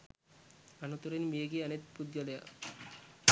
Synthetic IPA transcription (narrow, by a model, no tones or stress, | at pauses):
anot̪uɾenmieɡianet̪pud̪jɔleja̰